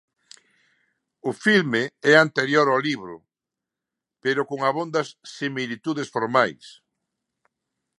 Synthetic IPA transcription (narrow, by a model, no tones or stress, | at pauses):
ʊfilmeɛant̪eɾjoɾawliβɾʊ̰ | peɾʊkoŋɐβond̪ɐsːimilit̪uðesfoɾmajs